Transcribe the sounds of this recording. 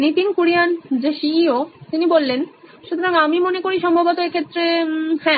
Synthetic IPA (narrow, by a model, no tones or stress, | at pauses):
nit̪inkuɾijand͡ʑeʃiiot̪inibolːenʃut̪ʰoɾaŋamimonekoɾiʃɔmbʱabot̪oekʰet̪ːɾefɛ